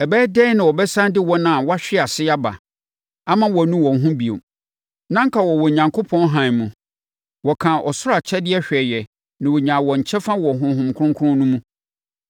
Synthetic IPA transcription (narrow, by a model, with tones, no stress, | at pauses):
ɛ˨bɛː˦dɛ˦nã˨wɔ˨bɛ˦sã˦ndɪ˦wɔ˦nã˦˨wɔ˦a˦ɕᶣɪ˦a˨sɪ˦a˦ba̰˨ | a˦mã˦wɔ˨nũ˦wɔ̃˨n˨ɦũ˦bi˨o̰˨ | nã˦ŋ̩˦kʰa˨wɔ˨wɔ˨ɲã˨ŋkʰo˦pʰɔ̃˦nɦã˨n˨mũ˨ | wɔ˨kʰã˨ʔɔ˨sʊ˦ɾa˨t͡ɕʰɛ˦dɪ˦ɛ˦ɕᶣɛ˨jɛ˨ | nã˨wo˨ɲã˨wɔ˨ɲ̩˨t͡ɕʰɛ˦fã˦wɔ˨ɦʊ̃˨ɦʊ̃˨mkʰʊ̃˦ŋkʰʊ˦ʊ̃˦nũ˦mũ˦